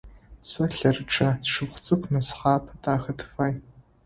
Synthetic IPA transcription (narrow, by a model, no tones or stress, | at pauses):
sɐɬɐrɨʈ͡ʂʼɐsʂɨpχʷʊt͡sʼɨkʷnɐsχɑːpʰɐtʰʼaːxɐtʰɨ̥faːj